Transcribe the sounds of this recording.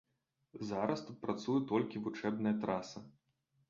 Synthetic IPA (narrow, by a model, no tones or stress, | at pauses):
zaɾɐst̪ut̪̚pɾat̪sujut̪ɔlʲkʲivut͡ʂɛbnɐjɐt̪ɾasɐ